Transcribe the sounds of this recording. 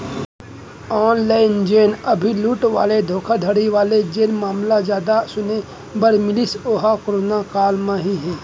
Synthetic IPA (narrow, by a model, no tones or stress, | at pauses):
ɔːnlaːɪnd͡ʒeːnəbʱiluːʈʋa̰ːled̪ʱoːkʰad̪ʱəɽiʋaːled͡ʒeːnmaːmlazjaːd̪asʊne | bəɾmɪlɪsoːɦakoɾoːnakaːlmãɦiɦɛ̃ː